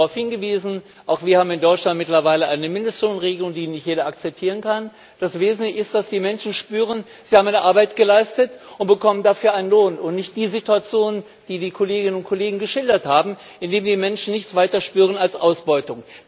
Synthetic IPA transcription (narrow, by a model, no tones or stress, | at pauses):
aʊfhɪnɡəviːzn̩ | ʔaʊxv̥iːɐhaːbm̩ɪndɔʏtt͡ʃlant̚mɪtlɐvaɪləʔaɪnəmɪndəstloːnʁeːɡəlʊŋdiːnɪçtjeːɾɐak̚t͡sɛp̚tʰiːʁ̞ənkʰan | d̥asv̥eːzn̩tlɪçɪstd̥asd̥iːmɛnʃn̩ʃpyːʁ̞ən | z̥ihaːmʔaɪnəʔaɐbaɪtɡ̥əlaɪstətʔʊntb̥əkʰɔməndafyːɐʔaɪnənloːnʊntnɪçt̚d̥iːzituat͡sjoːnn | d̥iːdiːkʰoleːɡɪnənʊnt̚kʰoleːɡŋ̩ɡəʃɪldɐthaːbm̩ | ʔɪndeːmdiːmɛnʃn̩nɪçt͡sv̥aɪtɐʃpyːʁ̞ənalsʔa̰ʊsb̥ɔʏtʊŋ